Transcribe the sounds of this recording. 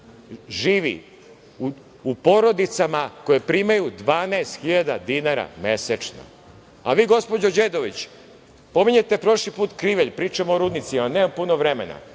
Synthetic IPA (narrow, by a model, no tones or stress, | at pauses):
ʒiːʋḭ | u | upo̞ɾo̞d̪it̪samako̞jepɾimajud̪ʋaːnaest̪xiʎad̪a̰d̪inaɾa̰meset͡ʃno̰ | a̰ʋiːɡo̞spod͡ʑod͡ʑeːd̪o̞ʋit͡ɕ | po̞miɲe̞t̪e̞pɾo̞ʃlipuːt̪kɾiʋeʎpɾiːt͡ʃamoːɾuːd̪nit̪sianeːmampunoʋɾemḛna̰